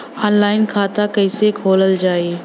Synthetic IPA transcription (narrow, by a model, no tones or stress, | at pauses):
ɔːnlaːɪnkʰaːt̪akəɪsekʰoːləld͡ʒaːeː